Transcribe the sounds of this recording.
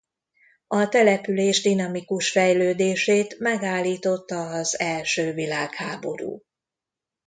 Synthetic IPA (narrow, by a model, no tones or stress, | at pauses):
ɒt̪ɛlɛpyleːʒd̪inɒmikuʃfɛjløːd̪eːʃeːt̪mɛɡaːlːiːt̪o̞t̪ːɒzɛlʃøːvilaːkhaːbo̞̰ɾṵː